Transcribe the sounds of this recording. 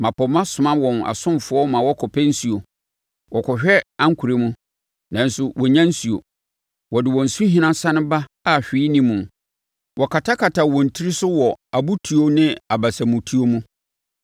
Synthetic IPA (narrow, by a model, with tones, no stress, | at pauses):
mã˨pɔ˨mã˦sʊ˨mã˦wɔ̃˨na̰˨sʊ̃˦mfʊ˦ɔ˦mã˨wɔ˦kʰɔ˨pʰɛ˦n̩˦su˨o˨ | wʔɔ˨kʰɔ˨ɕᶣɛ˦ã˦ŋ̩˦kʰu˨ɾe˦mũ˦ | nã˨˦n˦sʊ˦wʔɔ˨ɲã˦n̩˦su˨o̰˨ | wɔ˨dɪ˨wɔ̃˨n̩˨sũ˦ɦĩ˦nã˦sã˦nʊ̃˦ba˦ | a˦˨ɕᶣiː˦nĩ˦mũ˨ | wʔɔ˨kʰa˨tʰa˦kʰa˨tʰa˨wɔ̃˨n̩˨tʰi˦ɾi˦sʊ˦wɔ˨a˨bu˦tʰu˨o˦nɪ̃˦a˨ba˨sa˨mũ˨tʰu˦o˦mũ˦